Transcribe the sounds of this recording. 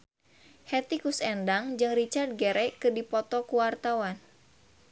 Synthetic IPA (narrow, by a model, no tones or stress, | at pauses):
hɛt̪ikusɛndaŋd͡ʒɨŋrit͡ʃart̪̚ɡeɾɛkɨdipɔt̪ɔkuwart̪awan